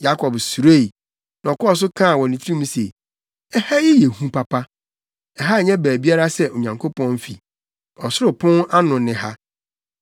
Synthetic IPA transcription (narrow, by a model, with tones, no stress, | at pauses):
ja˦kʰɔ˨bsu˨ɾe˦˨i˨ | nã˨ɔ˨kʰɔ˦ɔ˨s̬ʊ˦kʰã˦˨wɔ̃˨nĩ˨tʰi˦ĩ˦m̃˦sḛ˨ | ɛ˦ha˦ji˦jɛ˨hũ˦pʰa˦pʰa˦ | ɛ˨ɦa˦˨ɲɛ̃˦bæː˨bi˦a˦ɾa˦sɛ˦ʔo˨ɲã˨ŋkʰo˦pʰɔ̃˦n˦fḭ˨ | ɔ˨sʊ˦ɾʊ˨pʰɔ̃˦na˦nʊ̃˨nɪ̃˨ha˦